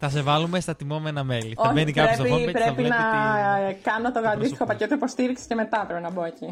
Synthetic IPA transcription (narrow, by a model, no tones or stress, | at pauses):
θɐsevɐlumest̪ɐt̪imomenɐmeliθoçvenikɐɾepipɾepinɐ | kɐnot̪oɣɐd̪ist̪i̥xo̞pɐce̞t̪oipo̞st̪iɾikse̥ce̞me̞t̪ɐt̪ɾepenɐbo̞eci